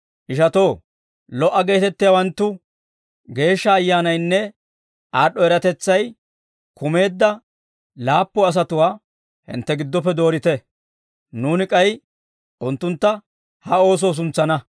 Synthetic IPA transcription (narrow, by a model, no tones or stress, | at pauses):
ʔɪʃɐt̪o̞ː | lɔʔːɐɡe̞ːt̪ɛt̪ːɪjawɐnt̪ːʊ | ɡe̞ːʃːɐːjːaːnɐjnːɛ | ʔaːɗːɔɛɾɐt̪ɛt͡sːɐj | kʊme̞ːd̪ːɐ | laːpːɔɐs̬ɐt̪ʊwaː | hɪ̰nt̪ːɛɡɪd̪ːɔp̬ːɛd̪o̞ːɾɪt̪ɛ | nuːnɪkʼɐj | ʔʊnt̪ːʊnt̪ːɐ | hɐo̞ːs̬o̞ːs̬ʊnt͡sːɐnɐ